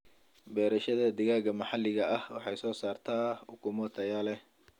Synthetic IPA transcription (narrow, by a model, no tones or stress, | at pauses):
bɛːɾɐʃɐðɐd̪ɪɣaːɣɐmɑħɑlɪɣɐʔɐhwɑħɑjsɔːsaːrt̪ʰaːʊkʰʊmɔt̪ʰɐjaːlɛ